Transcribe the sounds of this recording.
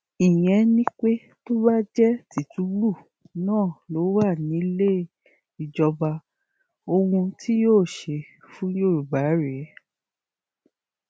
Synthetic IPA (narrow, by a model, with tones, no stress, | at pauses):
i˨j̃ɛ̃˧˦nĩ˦k͡pe˦ | to˦ba˦d͡ʒɛ˦ti˨tu˨˦blu˦˨ | nãː˦˨lo˨˦wa˦˨nĩ˨˦le˦ | i˨d͡ʒɔ˧ba˧ | o˧hũ˧tʰi˦joː˦˨ʃe˧ | fũ˦jo˦˨ɾu˨ba˨˦ɾe˨˦